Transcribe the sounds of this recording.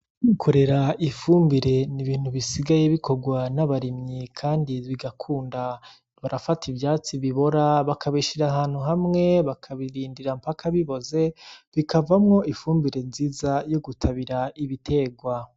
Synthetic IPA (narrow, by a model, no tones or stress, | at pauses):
ukʰoɾe̞ɾaʔifuːmbiɾe̞niβiːn̥huβisiɡaje̞βiko̞ɡwanaβaɾimɲikʰaːndiβiɡakʰuːnda | βaɾafativjaːt͡siβiβo̞ɾaβakʰaβiʃiɾaɦaːn̥huɦamŋe̞βakʰaβiɾiːndiɾampakʰaβiβo̞ze̞βikʰavamŋo̞ifuːmbiɾe̞nziːzajo̞ɡutʰaβiɾaʔiβitʰe̞ɡwa